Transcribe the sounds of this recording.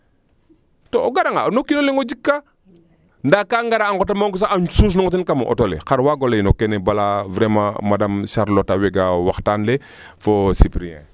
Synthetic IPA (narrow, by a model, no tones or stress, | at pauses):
tooɡaɾaŋanokinoleŋod͡ʒikːa | ndakaŋɡaɾaːŋɡotamaŋɡus̬aaɲsus̬noŋot̬inkamoʔo̰tolḛxaɾwaɡoleinokenebalavɾemãmadamʃaɾlotaweɡawaxtanle | fosipɾiɛ̰̃